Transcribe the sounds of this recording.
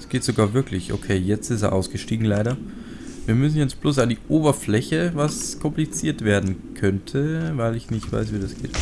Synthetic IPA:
sɡ̥eːtz̥oɡaːɐvɪɐklɪçʔo̰kʰeːjɛt͡stɪstḛɐ̰ʔaʊsɡ̥əʃtiːɡŋ̩laɪɾɐ | viːɐmʏs̬n̩jɛt͡sb̥loːs̬andiːʔoːbɐflɛçəvaskʰɔmplit͡siːɐtv̥eːɐdn̩kʰœntʰəvaɪlɪçnɪçtv̥a̰ɪsv̥iːdasɡ̥ḛːt

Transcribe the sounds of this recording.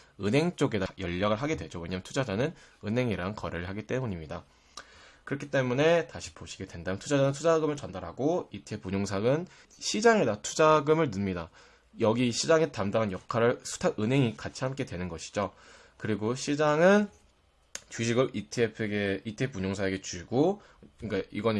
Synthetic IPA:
ɯnɦe̞ŋt͡ɕ͈oɡe̞dajʌʎːaɡɯɭɦaɡe̞dwe̞d͡ʑoweɲamɯntʰud͡ʑad͡ʑanɯnɯnɦe̞ŋiɾankʌɾɯɭɦaɡit͈e̞muɲimɲida | kɯɾʌkʰit͈e̞mune̞taɕʰi̥poɕʰi̥ɡe̞dwe̞ndamntʰud͡ʑad͡ʑanɯntʰud͡ʑaɡɯmɯɭt͡ɕʌndaɾɦaɡoitʰep͈uɲoŋsʰaɡɯn | ɕʰid͡ʑaŋedatʰud͡ʑaɡɯmɯɭnɯmɲida | jʌɡiɕʰid͡ʑaŋetamdaŋanjʌkʰaɾɯɭsʰu̥tʰaʔɯnɦe̞ŋikat͡ɕʰiɦamk͈e̞dwe̞nɯnɡʌɕʰi̥d͡ʑo | kɯɾiɡoɕʰid͡ʑaŋɯn | t͡ɕuɕ̬ʰiɡɯɭʔitʰiepʰeɡeitʰɯep͈ːuɲoŋsʰaeɡe̞t͡ɕuɡo | k͈aiɡʌn

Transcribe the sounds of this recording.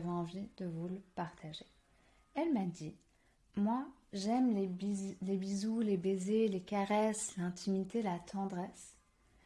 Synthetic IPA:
vɛɑ̃vid̪əvuləpaʁt̪ʰaʒe | ɛlmad̪i | mwa | ʒɛmllebizulebezelekaʁɛslɛ̃t̪ʰimit̪elat̪ʰɑ̃d̪ʁɛs

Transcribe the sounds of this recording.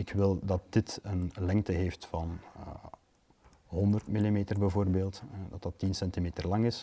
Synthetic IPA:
ɪkwɪlˠdɑt̚d̥ɪtənlɛŋtəɦeːftfɑn̰ | ɦɔndərtmilimeːtərbəvoːrbeːlˠtɦɛdɑtɑtːinsɛntimeːtərlɑŋɪs

